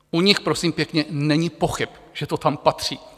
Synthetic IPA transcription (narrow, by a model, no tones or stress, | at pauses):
ʔuɲɪxpɾo̞siːmpjɛkɲɛnɛɲɪpo̞xɪp | ʒ̥ɛt̪ot̪ampat̪r̝̥iː